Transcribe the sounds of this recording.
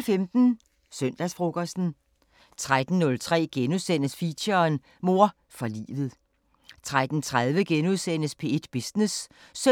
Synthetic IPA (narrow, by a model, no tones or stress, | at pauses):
lfemd̥n̩ | søn̰d̥æsfʁoɡ̥ɐsd̥n̩ | t͡sʰʁad̥n̩ːɔ̽lt͡sʰʁɛ̰ːɡ̥enuðˠsen̰əsfiɕɐːn | mo̝ɐ | fɒlḭːʋð̞̩ˠ | t͡sʰʁad̥n̩t͡sʰʁaðˠʋəɡ̥enuðˠsen̰əspʰe̝ed̥b̥isnessø